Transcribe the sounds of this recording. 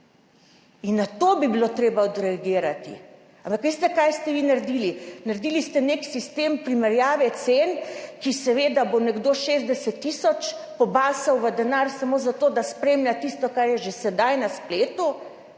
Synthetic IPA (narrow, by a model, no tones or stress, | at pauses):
inːat̪obibilot̪ɾeːbaɔd̪ɾɛaɡiːɾat̪ḭ | ampakʋest̪ɛkajst̪ɛʋiːnaɾd̪iːlinaɾd̪iːlist̪ɛneksist̪empɾimɛɾjaːʋɛt̪senkisɛʋed̪abonɛɡd̪oːʃeːzd̪ɛsɛt̪ːisɔt͡ʃpɔbaːsɐwʋəd̪ɛnaːɾsamoːzat̪oːd̪aspɾeːmlʲjʲat̪ist̪ɔkaɾjɛʒesɛd̪ajnaspleːt̪u